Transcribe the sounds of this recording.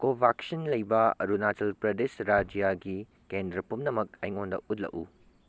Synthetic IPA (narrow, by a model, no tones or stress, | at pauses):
kobʱaksɐnlɐjbɐɐ̰ɾunatɐlpɾɐdesɾad͡ʒjaɡi | kendɾɐpumnɐmɐk̚ɐjŋondɐ̰ʔut̚lɐ̰ʔu